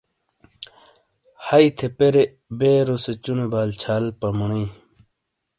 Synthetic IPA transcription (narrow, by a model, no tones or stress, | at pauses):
hɐit̪ʰepeɾe | beːɾoset͡ɕunebaːlt͡ɕʰaːlpɐmuɽiː